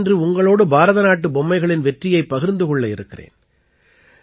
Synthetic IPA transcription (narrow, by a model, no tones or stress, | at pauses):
ndrɯʊŋɡɐɭoːɽɯbaːɾɐðɐnaːʈːɯbɔmːɐɪɣɐɭɪnʋɛʈrɪjɐɪpːɐɣɪɾnd̪ɯkɔɭːɐɪɾɯkːɪrḛːn